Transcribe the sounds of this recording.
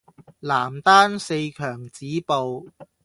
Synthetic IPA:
laː˨˩mt̪aː˥nse˧jkʰœː˨˩ŋt͡siː˨˥po˨˧w

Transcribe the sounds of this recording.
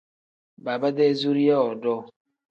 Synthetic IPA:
ba˨ba˦de˦zu˦ɾi˦ɛ˦ɔ˨dɔ˦

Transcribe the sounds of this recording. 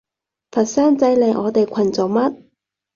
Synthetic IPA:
pʰɐ˨˩t̚saː˥nt͡sɐ˧jle˨jʔɔː˨˧t̪e˨jkʷʰɐ˨˩nt͡sɔ˨˩wmɐ˥t̚

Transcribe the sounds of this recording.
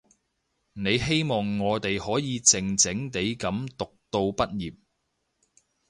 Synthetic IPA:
ne˨˧jɦe˥jmɔː˨ŋːɔː˨˧t̪e˨jhɔː˨˥jiː˨˧t͡sɪ˨ŋt͡sɪ˨˥ŋt̪e˨˥jkɐ˨˥mt̪ʊ˨k̚t̪o˧wpɐ˥t̚jiː˨p̚

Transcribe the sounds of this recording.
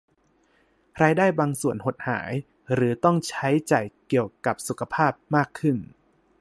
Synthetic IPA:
ɾaː˧jdaː˥˩jbaː˧ŋsu˨˩ənho˨˩t̪̚ha̰ː˩˦j | ɾɯː˩˦t̪ɔ˥˩ŋt͡ɕʰa˦˥jt͡ɕaː˨˩jki˨˩əwka˨˩p̚su˨˩kʰa˧pʰaː˥˩p̚maː˥˩kʰːɯ˥˩n

